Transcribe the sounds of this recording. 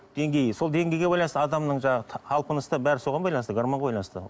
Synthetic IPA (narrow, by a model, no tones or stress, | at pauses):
d̪̥e̞ŋɡʲe̞jso̞lˠd̪e̞ŋɡʲe̞jɡʲeɑjlˠɑnsəɑd̪ɑmnəɴʒɑɴɑʁət̪ʰɑlˠpənəst̪əbæɾɪso̞ʁɑnbɑjlˠɑnst̪əɡaɾmoɴʁɑbɑjlˠɑnəst̪ə̰